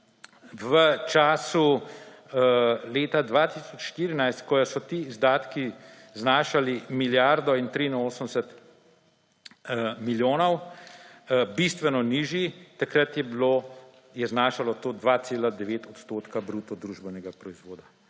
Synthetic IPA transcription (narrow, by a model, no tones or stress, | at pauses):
ʋət͡ʃaːsu | leːt̪ad̪ʋat̪isɔt͡ʃʃt̪iːɾinajst̪kɔjɔsɔt̪iːzd̪aːt̪ki | znaːʃalimiljaɾd̪ɔint̪ɾiinoːsənd̪ɛsɛt̪ | miljoːnɔw | bist̪ʋɛnɔniːʒjit̪akɾat̪jɛblo | jɛznaːʃalɔt̪oːd̪ʋaːt̪seːlad̪ɛʋeːt̪ɔt̪st̪oːt̪kabɾuːt̪ɔd̪ɾuːʒbɛnɛɡapɾɔizʋoːd̪a